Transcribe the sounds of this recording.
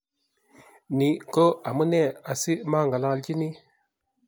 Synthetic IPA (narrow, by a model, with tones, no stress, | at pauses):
ni˨ko˦a˨mə˦ne˦˨a˨si˦ma˦ŋɡa˨la˦ŋ˨ld͡ʒi˦ni˦